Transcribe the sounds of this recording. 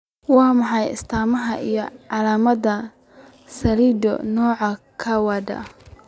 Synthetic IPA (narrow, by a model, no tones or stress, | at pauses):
wɑːmɑħɑjɪ̰st̪ʰaːmɐɦɐʔḭjɔʕɑlaːmɐd̪ɐ | sɐliːd̪ɔ̰nɔːʕɑkʰɐwɑd̪ɐ̰